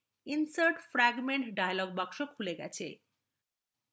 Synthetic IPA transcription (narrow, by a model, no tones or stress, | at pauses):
insaɾʈfɾaɡmeɳʈɖajalɔɡ̚bakʃokʰuleɡɛ̰t͡ɕʰe